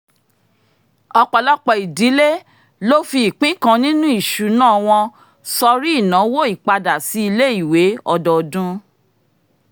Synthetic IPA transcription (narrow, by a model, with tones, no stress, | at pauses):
ɔ˧k͡pɔ˨lɔ˦k͡pɔ˧˨i˨di˨˦le˦ | lo˦fi˧i˨k͡pĩ˦kã˧nĩ˦nũ˦i˦˨ʃu˨nãː˦˨˧w̃ɔ̃˧ | sɔ˧ɾi˦i˦˨nã˨˦wo˦i˦˨k͡pa˧da˨si˨˦i˧le˦i˦˨we˨˦ɔ˧dɔ˨dũ˦